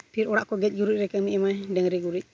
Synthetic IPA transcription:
piɾɔɾaʔkɔɡɛc̚ˀɡuɾuc̚ɾɛkɛmiʔɛmajdɛŋɾɛɡuɾic̚

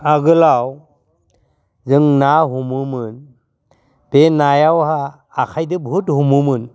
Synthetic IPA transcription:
aɡɯlaw | zɯŋnaɦumumɯn | b̥enajawhaː | kʰajdɯbɦuthumumɯn

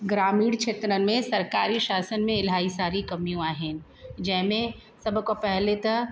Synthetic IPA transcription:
ɡɾaːmiːɽt͡ʃʰet̪ɾəmẽsɐɾkaːɾiʃaːsənmẽɪlɦaːisaːɾikɐmijõaːɦɛ̃ | d͡ʒɛːɦmẽ | sɐbkopɛɦlet̪ɐ

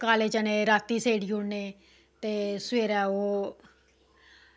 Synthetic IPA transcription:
kaːleːd͡ʒaneːɾaːt̪ːiːseːɽiːoːneː | t̪eːsʋeːɾɛːoː

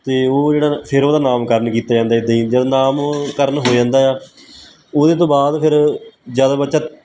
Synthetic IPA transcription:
t̪eːoːd͡ʒeːɽaːpʰɪɾoːd̪aːnaːmkəɾnkiːt̪aːd͡ʒãːnd̪aːɪd̪eid͡ʒaːd̪aːnaːmkəɾnɦoːd͡ʒãːnd̪aːjaː | oːd̪eːt̪õːbaːd̪pʰɪɾzjaːd̪aːbətːʃaː

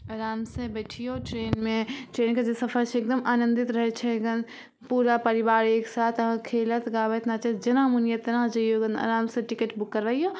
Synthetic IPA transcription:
ɐɾaːmsebɛːʈʰijoʈɾeːnmẽʈɾeːnked͡ʒesɐpʰəɾt͡ʃʰeek̚d̪əmaːnə̃nd̪ɪt̪ɾɐɦɛt͡ʃʰɛɡən | puːɾapɐɾibaːɾeːksaːt̪ʰɐɦãkʰeːlət̪ɡaːʋet̪nat͡ʃɛd͡ʒɐnamunjət̪ɐnãd͡ʒɐjoɡənɐ̰ɾaːmsẽʈɪkeʈbukːəɾːəɦijo

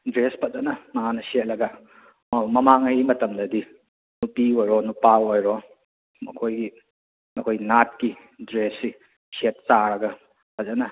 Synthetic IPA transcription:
dɾespɐzɐnɐmɐŋanɐset̚lɐɡɐ | mamɐmaŋɐjmɐtɐmdɐdi | nupiojɾonupaojɾo | mɐ̰kʰojɡi | ɐkʰojnat̚ki | dɾesːi | set̚t͡ʃaɾɐɡɐ | pʰɐzɐnɐ

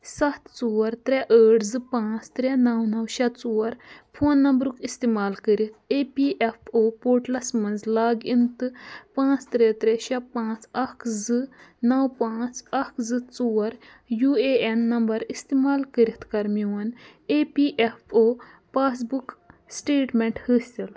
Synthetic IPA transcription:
sɐt̪t͡suːɐɾt̪ɾɛʔəːʈʰzɨpãːt͡st̪ɾɛnɐwnɐwʃɐt̪t͡suwɐɾpʰoːnːɐmbɾukist̪imaːlkəɾit̪̚ʰepiʔefʰoːpoːʈlɐsmɐnzlaːɡint̪ɨpãːt͡st̪ɾɛt̪ɾɛʃɐpãːt͡sɐkʰzɨnɐwpãːt͡sɐkʰzɨt͡suːɐɾ | jueɛnːɐmbɐɾist̪imaːlkəɾit̪kɐɾmiwɐn | epiʔefo | pas̬buksʈeːʈmɛɳʈhəːst̪il

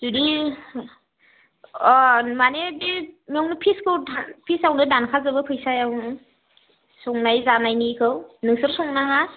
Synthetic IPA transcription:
zudi | manebimiɔŋnɯpʰiskʰɯwdapʰisawnɯdankʰazɯbɯpʰɯjsajawnɯ | sɔŋnajzanajnikʰɯwnɯŋsɯɾsɔŋnaŋa

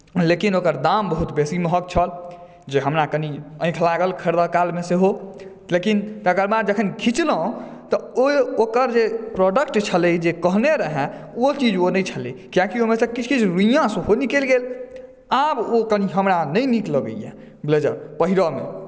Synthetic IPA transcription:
lekinokəɾd̪ambəɦut̪besiməɦək̚t͡ʃʰəl | d͡ʒeɦəmɾakəniə̃ɪ̃kʰlaɡəlkʰəɾd̪əkalmeseɦo | lekint̪əɡəɾmaɾd͡ʒəkʰənkʰit͡ʃlə̃t̪ɔookəɾd͡ʒepɾɔɖəkʈt͡ʃʰələd͡ʒekəɦneɾəɦɛ̃ot͡ʃid͡ʒonəjt͡ʃʰəlḭkijãkiomesə̃kit͡ʃʰkit͡ʃʰɾuijãsəɦonikelɡel | abokəniɦəmɾanəjnikləɡə̰jḛ̃ | bled͡ʒəɾpəɦiɾɔmḛ

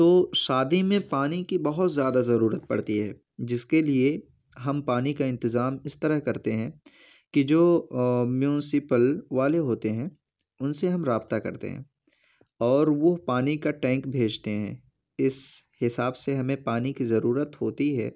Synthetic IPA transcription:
t̪oːʃaːd̪imẽpaːnikibɐɦʊt̪zjaːd̪azɐɾuːɾət̪̚pɐ̰ɽ̤t̪iɦɛː | d͡ʒɪskelie | ɦɐmpaːnikaɪ̃nt̪ɪzaːmɪst̪ɐɾəɦkɐɾt̪eɦɛ̃ | kid͡ʒoːmjuːnɪsɪpəlʋaːleɦoːt̪eɦɛ̃ | ʊnseɦɐmɾaːbt̪akɐ̰ɾt̪ḛɦɛ̰̃ː | ɔːɾʋopaːnikaʈɛ̃ːŋkbʱeːd͡ʒt̪eɦɛ̰̃ | ɪshɪsaːbseɦɐmẽpaːnikizɐɾuːɾət̪ɦoːt̪iɦɛː

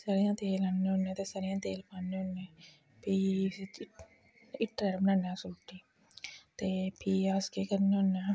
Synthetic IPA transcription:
saɾejãːt̪eːlanːeonːẽːt̪eːsaːɾejãːt̪eːlpaːnːeɦonːẽː | piː | ɪʈɾəɾmnãːnãːsoːʈːiː | t̪eːpʰiːaːskeːkəɾneonaː

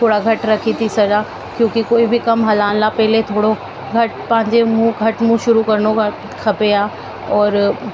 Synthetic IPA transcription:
t̪ʰoːɽaɡʱɐʈɾɐkʰit̪ʰisɐd͡ʒaː | kjõːkikoːibʱikɐmɦɐlaːnlapɛɦɪlet̪ʰoːɽo | ɡʱɐʈpɐ̃ɦɪ̃ɲd͡ʑemũɡʱɐʈmũʃʊɾukɐɾno | kʰɐpeaː | ɔːɾ

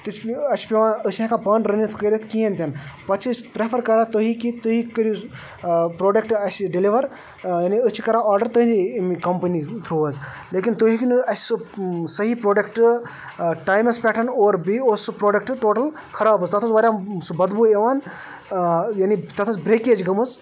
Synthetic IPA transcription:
t̪it͡ʃʰɐt͡ʃʰpeʋaːnət͡ʃʰɦẽkapɐːnʈɾɐnit̪ʰkɐɾet̪ʰkijẽnt̪ʲɐnpɐt͡ʃʰispɾepʰɐɾkɐɾaːt̪oɦikit̪oɦikəɾi | pɾoːɖek̚ʈɐsɖiliʋɐɾ | jaːniət͡ʃʰikɐɾaɔːɾɖɐɾt̪oɦĩnimikɐmpɐnit̪ʰɾuːɐz | leːkint̪oɦikinɐssɨsɐɦipɾoːɖɐkʈ | ʈaːjmɐspʲɛːʈɐnoːɾbioːspɾoːɖɐk̚ʈʈoːʈɐl | kʰɐɾaːbɨst̪ɐt̪ʰusʋɐɾʲjasubɐd̪bueʋaːn | janit̪ɐt̪ʰusbɾeːkeːd͡ʒɡɐmɨz

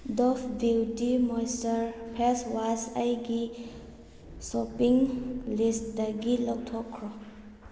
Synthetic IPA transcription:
dɔfʰbiwtimɔjstəɾpʰɛswasajɡi | sɔpiŋlistdaɡilɔwtʰɔkʰɾɔ

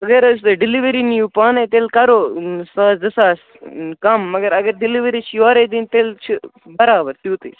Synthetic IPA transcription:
ɐɡɐɾɐsɖɪliʋɐɾinijupaːnet̪elkɐɾoːsaːzɐsaːs | kɐmːɐɡɐɾɐɡɐɾɖɪliʋɐɾit͡ʃʰjoːɾeːd̪int̪elt͡ʃʰi | bɐɾaːbɐɾt̪juːt̪ḭ

